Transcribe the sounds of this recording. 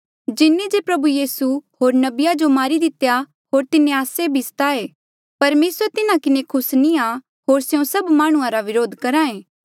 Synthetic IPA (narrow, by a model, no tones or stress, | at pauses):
d͡ʒɪnːed͡ʒepɾɐbujiːsuɦoːɾnɐbɪjad͡ʒomaːɾid̪ɪt̪eja | ɦoːɾt̪ɪnẽaːsebʱist̪aːeː | pɐɾmeːsəɾt̪ɪnãkɪnekʰʊsnia | ɦoːɾsjõsɐbmaːɽ̃ʊ̃ãɾaʋɪɾoːd̪ʱkɐɾãːẽː